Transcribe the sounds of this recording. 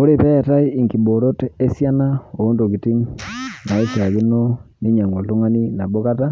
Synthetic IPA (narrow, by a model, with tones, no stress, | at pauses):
o˦ɾe˦˨pɛ˦˨ta˦i˦i˨ŋki˨bo˨ɾo˦te˦sja˦na˦o˨˦ndo˨ki˨ti˦ŋna˨i˦sa˨ki˦no˦ni˦ɲa˨ŋo˨ltu˦ŋa˦ni˦na˨bo˦ka˦ta˦